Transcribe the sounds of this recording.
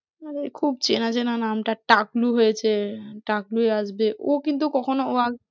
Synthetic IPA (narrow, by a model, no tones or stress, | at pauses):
aɾekʰubt͡ɕenat͡ɕʰenanamʈaʈakluɦojet͡ɕʰeʈaklueaʃbeʔokint̪̬ukɔkʰonooa